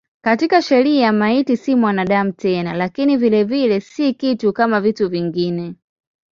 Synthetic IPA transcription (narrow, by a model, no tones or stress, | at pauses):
katikaʃɛɾiamaitisimwanaɗam̩tɛnalakinivilɛvilɛsikitukamavituviŋɡinɛ